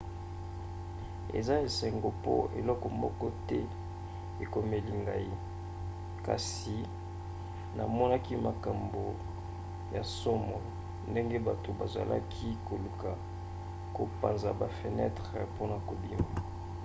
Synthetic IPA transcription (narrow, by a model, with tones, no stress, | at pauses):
ḛ˨za˦e˨se˨ŋɡo˨po̰˦ḛ˨lɔ˦kɔ˨mɔ˦kɔ˦tɛ˦ | e˨ko˨me˨li˨ŋɡa̰˨ji˦ | ka̰˨s | i˨ | na˨mɔ˦na˦ki˦ma˨ka˨mbo˨ | ja˨sɔ˦mɔ˨ | nde˦ŋɡe˦ba˨to˨ba˨za̰˨lʔa̰˦kʰi˦ko˨lu˨ka˨ | ko˨pa˨nza˨ba˨fe˨nɛ˦tʁe˨po˦na˨ko˨bi˦ma˨